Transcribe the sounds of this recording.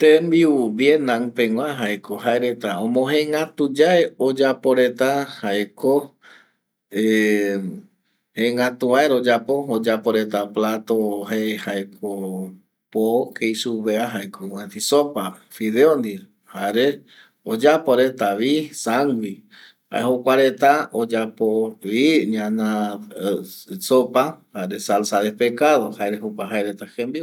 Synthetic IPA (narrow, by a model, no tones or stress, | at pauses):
t̪embiubjenãŋpeŋwʷãɦaekʰoɦaeɾet̪aõmõɦẽŋat̪ud͡ʒaeod͡ʒapo̞ɾe̞t̪ahaeko | e | hẽŋãt̪uaeɾod͡ʒapo̞od͡ʒapoɾe̞t̪aplat̪oɦehaekʰo | pokʰejsuβeaɦaekowet̪isopafiðeond̪i | haɾe | od͡ʒapoɾet̪aβisaŋɡwi | ha̰ehokʷaɾe̞t̪aod͡ʒapoβiɲãnã | sopahaɾesalsaðehpekaðohaeɾeɦupaɦaeɾet̪axẽmbi